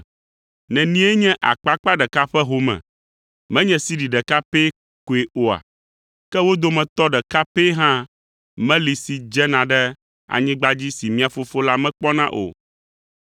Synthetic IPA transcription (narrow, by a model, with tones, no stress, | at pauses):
nɛ̃˨nĩ˦e˦ɲɛ̃˦ʔa̰˨k͡pa˦k͡pa˦ɖɛ˨ka˦ɸɛ˦ɦo˨mɛ̰̃˨ | mɛ̃˦ɲɛ̃˨si˦ɖi˨ɖɛ˨ka˦pe˦ | ko˨e˨ʔo˨a̰˨ | kɛ˦wo˦d̪o˦mɛ̃˨t̪ɔ˦ɖɛ˨ka˦pe˦ɦã˦ | mɛ̃˦li˨si˨d͡ʒɛ˦nã˨ɖɛ˦ | a̰˨ɲĩ˦ɡ͡ba˦d͡ʑi˦si˨mĩ˦a˨fo˦fo˦la˦mɛ̃˦k͡pɔ˦nã˦ʔo̰˨